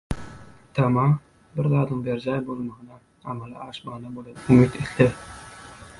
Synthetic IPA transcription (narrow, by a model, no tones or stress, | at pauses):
t̪ʰɑmɑ | bɪɾðɑːd̪ɯŋbeɾd͡ʒɑjbo̞lˠmɑʁɯnɑ | ɑmɑlˠɑ̰ɑːʃmɑnɑbolˠenumit̪ʰet̪lɪ